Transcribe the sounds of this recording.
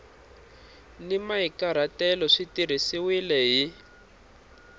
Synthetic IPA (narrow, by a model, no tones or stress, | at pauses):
nimaikaɾ̤atɛlɔʂitiɾ̤isiwilɛɦi